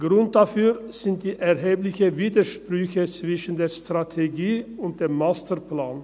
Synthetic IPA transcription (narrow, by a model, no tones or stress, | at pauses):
ɡ̥ɾʊnt̪̚d̪ɑfyːɾsɪnt̪̚d̪̥iːʔæɾɦeːblɪçəʋiːd̪əʃpɾʏçət͡sʋɪʃən̩d̪eːɾst̪ɾɑt̪ʰɛɡiːʊnt̪̚d̪̥eːmmːɑːst̪əɾpʰlɑːn